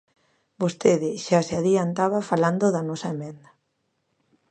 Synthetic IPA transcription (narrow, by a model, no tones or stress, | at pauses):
bost̪eðɪʃaseaðiant̪aβafaland̪oðɐnɔsɐemɛ̃nd̪ɐ